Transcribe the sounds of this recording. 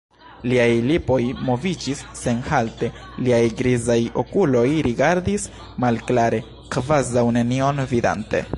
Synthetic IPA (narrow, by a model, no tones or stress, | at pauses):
liajlipo̞jmo̞vid͡ʒisːe̞nhalte̞ | liajɡɾizajo̞kulo̞jɾiɡaɾdis | malklaɾe̞ | kvazawne̞nio̞nvida̰nte̞̰